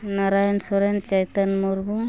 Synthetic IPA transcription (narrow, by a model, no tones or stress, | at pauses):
naɾajɔnsɔɾent͡ʃajt̪anmuɾbuŋ